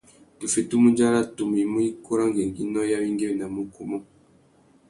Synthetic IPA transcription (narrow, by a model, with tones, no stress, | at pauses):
tu˨fe˨tu˦mu˦ɲd͡ʒa˦ɾa˦tu˨m˨i˨˦mu˦i˦ku˦ɾa˦ŋɡe˨ŋɡi˦nɔ˦ja˦wi˦ŋɡe˦˨na˨mu˦ku˨mɔ˦